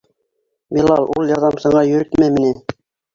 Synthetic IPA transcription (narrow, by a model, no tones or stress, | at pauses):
bilˠɑlˠulˠjɑɾðɑmsɑ̆ɴɑjɵ̆ɾɘt̪mæmĭnɘ